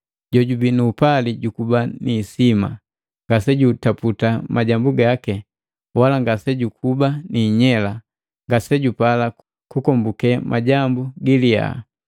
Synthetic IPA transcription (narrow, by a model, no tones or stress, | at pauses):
ɟɔɟubinuːpaliɟukubanisima̰ | ŋɡasɛɟutaputamaɟambuɡakɛ | walaŋɡasɛɟukʰubaniɲɛla | ŋɡasɛɟupala | kukɔmbukɛmʔaɟambuɡilia̰